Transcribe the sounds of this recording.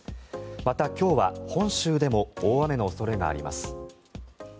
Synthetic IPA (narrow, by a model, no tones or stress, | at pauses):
mat̪akʲo̞ːβahõ̞ɰ̃ɕɨːd̪e̞mo̞oːβame̞no̞ːso̞ɾe̞ɡa̰ːɾʲḭma̰sɨ̥